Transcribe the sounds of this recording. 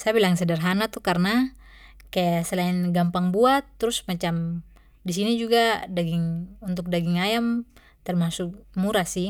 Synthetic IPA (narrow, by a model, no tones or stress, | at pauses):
sajabilaŋsɛdarɦanat̪ukarna | kajasɛlainɡampaŋbuat̪ːɾusmat͡ʃam | disinid͡ʒuɡadaɡiŋunt̪ʊk̚daɡiŋajam | t̪ɛrmasuk̚muɾasi